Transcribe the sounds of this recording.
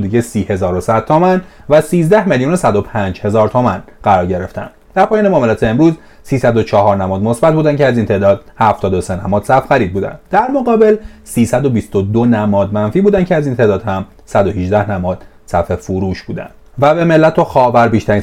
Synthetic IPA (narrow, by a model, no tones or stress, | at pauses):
d̪iɟesiːhe̞zɒːɾosæd̪̥̚t̪ʰːomænvæsiːzd̪æhmeljuːno̞sæd̪o̞pʰænd͡ʒhe̞zɒːɾt̪ʰomænɢ̥æɾɒːɾɟe̞ɾe̞ft̪æ̰nd̪̥d̪̥æɾpʰɒːjːneɒːmelæːt̪ʰeːmɾuːz | siːsæd̪o̞t͡ʃʰɒɦɒːɾnæmɒːd̪mo̞sbæt̪̚buːd̪æncʰeæziːnt̪ʰe̞ːd̪ɒːd̪̥̚hæft̪ɒːd̪osenæmɒːd̪sæfxæɾiːd̪̚buːd̪æ̰nd̪d̪æɾmoɣɒːbe̞lsiːsæd̪o̞bist̪od̪onæmɒːd̪mænfiːbuːd̪æncʰeæzint̪ʰe̞ːd̪ɒːd̪̥hæm | sæd̪o̞hiʒd̪æhnæmɒːd̪̥ | sæfe̞fuɾuːʃbuːd̪æ̰nd̪ | væbe̞me̞lːæt̪ʰoxɒːvæɾbiːʃt̪æɾiːn